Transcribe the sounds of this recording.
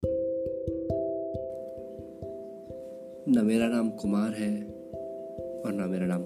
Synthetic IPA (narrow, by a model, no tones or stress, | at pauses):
nɐmeːɾaːnaːmkʊmaːɾɦɛ | ɔːɾnameːɾaːnaːm